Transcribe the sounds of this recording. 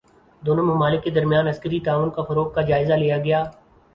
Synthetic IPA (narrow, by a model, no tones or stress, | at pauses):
d̪oːnõmɐmaːlɪkːed̪ɐɾmjaːnɐskəɾit̪aːʋʊnkafɐɾoːk̚kad͡ʒaːɪzalijaɡɐjaː